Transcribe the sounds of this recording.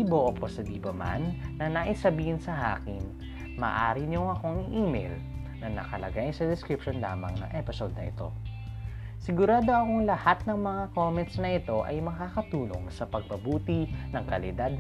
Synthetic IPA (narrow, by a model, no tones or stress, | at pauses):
iboʔoposɐd̪iːbɐma̰nːɐnɐʔisɐbiːhɪnsɐha̰ːkɪn | mɐ̰ːʔa̰ːɾɪɲoŋɐko̞ŋɪʔiːmɛ̰l | nɐnɐ̰kɐlɐ̰ɡajnsɐd̪ɛskɾɪpʃonla̰ːmɐ̰ŋnɐ̰ŋʔɛpɪsod̪̚nɐ̰ʔɪ̰t̪o̞̰ | sɪɡʊɾaːd̪o̞ɐkoŋlɐhat̪̚nɐŋmɐŋako̞ːmɛnt̪snɐʔɪt̪o̞ʔɐ̰jmɐkaːkɐt̪uːno̞̰ŋsɐpɐɡ̚pɐbuːt̪inɐŋkɐlɪd̪ad̪̚